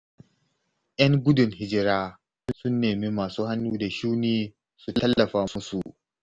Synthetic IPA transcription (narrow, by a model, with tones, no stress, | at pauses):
ʔɐ˦ŋɡʷʊ˦dʊ˨ŋhɪ˦d͡ʒɪ˦ɾaː˦ | nsʊ˦nːeː˨mi˦maː˨suː˦ha˦nːuː˦da˨ʃuː˦niː˦ | su˨tɐ˦lːɐ˨ɸaː˦mʊ˦su˨ʔ